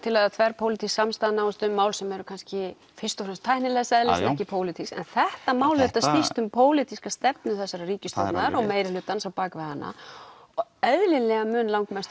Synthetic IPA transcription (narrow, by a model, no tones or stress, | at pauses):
t̪ʰɪlaðt̪ʰvɛɾ̥pʰowlɪt̪ʰisːamst̪aðnaːwɪst̪ʏmːaːwlsɛmɛɾʏkʰanscɪ | fɪst̪ɔfɾɛnst̪ʰajhnɪlɛɣasɛðlɪsɛmɛhcɪpʰoːwlɪt̪ʰiksɛ̰nθɛht̪amaːwlɛt̪ast̪ist̪ʏmpʰoːwlɪt̪ʰiskast̪ɛpnʏθɛsːaɾariːcʏst̪ɛpnaðaɾɔɣmeːjɾɪlʏːt̪ːansawpaːkvɪɣhanːʔa̰ | ɔɣœðlɪlɛɣamʏːnlawŋkmɛst̪